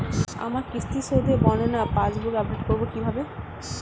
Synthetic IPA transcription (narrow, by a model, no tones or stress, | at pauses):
a̰maɾkist̪iʃod̪ʱebɔnonapãd͡ʑbuɡap̚ɖeʈ̚koɾbokibʱabe